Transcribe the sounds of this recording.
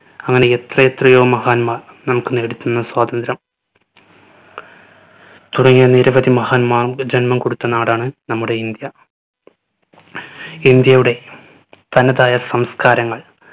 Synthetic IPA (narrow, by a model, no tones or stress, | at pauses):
ɐŋːɐne̞et̪rɐet̪rɐjoːmɐhaːnmaːr | nɐmukːɨne̞ːɽit̪ːunːɐswaːd̪ɐnd̪ɾɐm | t̪uɽɐŋːijɐniɾɐʋɐd̪imɐhaːnmaːrd͡ʑenmɐmko̞ɽut̪ːɐnaːɽaːɳɨnɐmːuɽe̞ind̪jɐ | ind̪jɐjuɽe̞ | t̪ɐnɐðaːjɐsɐmskaːɾɐŋːɐɭ